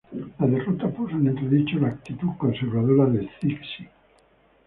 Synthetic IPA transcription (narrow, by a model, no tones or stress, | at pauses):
lað̞e̞rot̪apusoenent̪ɾeðit͡ʃolaːk̚t̪it̪ukonseɾβaðoɾaðelθiksi